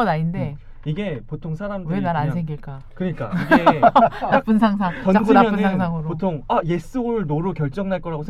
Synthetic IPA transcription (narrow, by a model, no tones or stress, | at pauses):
naɲinde | iɡe̞potʰoŋsʰaɾamdɯenaɾansʰeŋɡiɭk͈a | kɯɲik͈a̰iɡenap͈unsʰaŋsʰaŋt͡ɕʌnɡunmʌnɯanŋsʰaŋɯɾopotʰoŋaje̞s͈ɯɭnoɾɯkjʌɭt͡ɕ͈ʌŋnaɭk͈ʌɾaɡosʰe